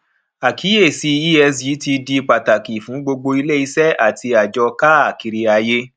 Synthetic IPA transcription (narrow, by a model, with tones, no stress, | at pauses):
a˨kʰi˨˦e˦˨si˧˦i˦ɛ˧s̬i˨˦ti˧di˧k͡pa˨ta˨ki˨fũ˨˦ɡ͡bo˧ɡ͡bo˧i˧le˦˨i˧sɛ˦ʔa˦˨tʰi˧a˨d͡ʒɔ˧ka˦a˦˨ki˨ɾi˧a˧je˦